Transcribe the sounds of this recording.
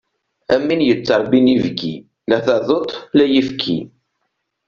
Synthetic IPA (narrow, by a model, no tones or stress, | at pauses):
æmːinjət͡sːɑɾˤbinivɡḭ | læθæðˤot̪ˤlæjəfkʰḭ